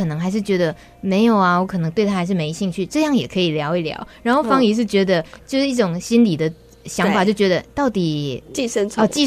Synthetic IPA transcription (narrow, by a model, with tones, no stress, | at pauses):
ɤ˨˩nɤ˧˥ŋxa˧˥ɪʂ̬ɻ̩˥˩t͡ɕɥɛ˧˥d̪ə˧ | me˧˥ɪjo˨˩ʊɐ˦wɔ˧˥kʰɤ˨˩nɤ˦ŋt̪we˥˩ɪt̪ʰa˥˧˥ɪʂɻ̩˥˩me˧ɪi˧ɕi˥˧ŋt͡ɕʰy˥˩ʈ͡ʂɤ˥˧jɑ˥˩ŋjɛ̰˨˩kʰɤ˧˥i˨˩ljɑ˧˥ʊi˥˩ljɑ̰˧˥ʊɻa˧˥nxo˥˩ʊfɑ˥ŋi˧˥ʂ̬ɻ̩˥˩t͡ɕɥɛ˧˥d̪ə˧t͡ɕjo˥˧ʊʂɻ̩˥˩i˥˩ʈ͡ʂʊ˨˩ŋɕi˥nli˨˩d̪ə˦ | ɕjɑ˦ŋfa˨t͡ɕjo˥˩ʊt͡ɕɥɛ˧˥d̪ə˧t̪ɑ˥˩ʊt̪i˨˩t͡ɕi˥˧ʂə˥nʰ˧t͡ɕi˥˧